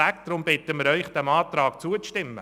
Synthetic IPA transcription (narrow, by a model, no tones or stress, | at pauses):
ækt̪ɾʊmbɪt̪əmɪɾœʏχd̥̪ɛmɑːt̪ɾɑːk̚t͡suət͡sʃtɪmːə̰